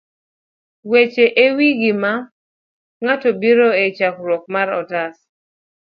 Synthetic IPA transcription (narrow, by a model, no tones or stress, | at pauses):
wet͡ʃeʔewiɡima | ŋatɔbiɾoet͡ʃakɾwɔk̚maɾɔ̰tas